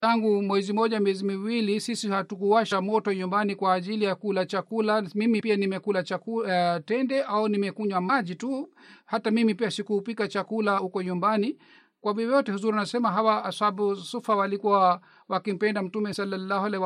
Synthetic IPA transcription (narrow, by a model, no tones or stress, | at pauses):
taŋɡumwɛzimɔʄamiɛzimiwilisisihatukuwaʃamɔtɔɲumbanikwaːʄilijakulat͡ʃakulamimipianimɛkulat͡ʃakuatɛndɛʔaunimɛkuɲwamaʄituhatamimipiasikuːpikat͡ʃakulahukɔɲumbani | kwaviɛjɔtɛhuzuɾinasɛmaɦawasaɓusufawalikuwa | wakim̩pɛndam̩tumɛsalːalːahalaw